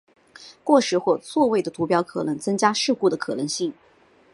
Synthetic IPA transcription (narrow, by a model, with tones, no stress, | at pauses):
kwɔ˥˩ʂɻ̩˧˥xwɔ˥˧t͡swɔ˥˧we˥˩ɪd̪ə˩t̪ʰu˧˥pjɑ˥ʊkʰɤ̰˨˩nɤ˧˥ŋt͡sɤ˥ŋt͡ɕja˥ʂɻ̩˥˧ku˥˩d̪ə˩kʰɤ˨˩nɤ˧˥ŋɕi˥˩ŋ